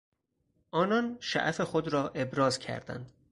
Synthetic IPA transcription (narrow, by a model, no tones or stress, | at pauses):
ʔɒːnɒnʃæ̰ʔæfe̞xod̪ɾɒːʔe̞bɾɒːzcʰæ̰ɾd̪æ̰nd̪̥